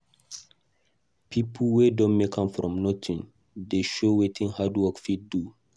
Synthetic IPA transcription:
pʰipʰəwedɔ̃nmekãmfɾɔ̰̃mnɔtʰĩn | deʃowetʰĩnhadwɔkfid̚du

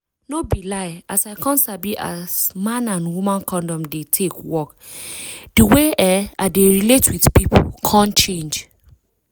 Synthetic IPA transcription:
nobilaɪasaɪkʰãntsabiʔa̰smãnãnwumãnkʰɔ̃ndɔ̃mdetʰekwɔk | diweʔɛaɪdeɹiletwidpipʰo̰kʰãnt͡ʃẽnd͡ʒ

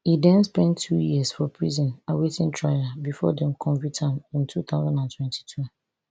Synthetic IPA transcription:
idɛ̃nspɛ̃ntʰːujiəsfɔpʰɹizɔ̃nawetĩntʰɹaɪabifɔ̰dɛ̃mkʰɔ̃nvitʰãmĩntʰuθaʊzãndãntʰwɛ̃ntʰi̥tʰu

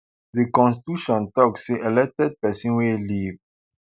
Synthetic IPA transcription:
ðikɔ̃nsti̥tuʃɔ̃ntɔkseʔelɛk̚tɛd̚pɛsĩnweliv

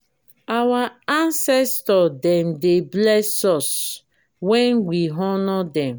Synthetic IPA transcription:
awaansɛstɔdɛm̩deblɛsɔs | wɛnwiɦɔnɔdɛm

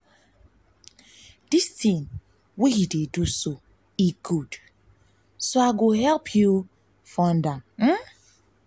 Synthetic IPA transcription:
d̥istĩn | wihideduso | ikʰud̥ | soaɡoɦɛlpʰju | fɔ̃ndamm̩

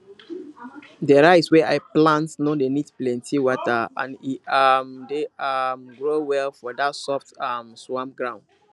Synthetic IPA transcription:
dəɹaɪtswɛʔaɪplãntnɔ̃denidplɛ̃ntʰiwɔtaã̰niamdeamɡɹowɛlfɔdatsɔftamswãmɡɹãʊ̃nd

